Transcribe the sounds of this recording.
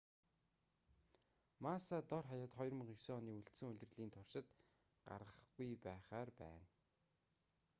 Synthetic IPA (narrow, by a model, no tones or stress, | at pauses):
masat̪ɔrχajaːt̪χɔjrmə̆χiwsɔːniːuɬt̪sɘ̆ŋɵɮ̆ʲrɮiːnt̪ʰʊrʃɪ̆t̪ | ɢ̥a̰rə̆χɡujpæːχaːrpæ̰ːn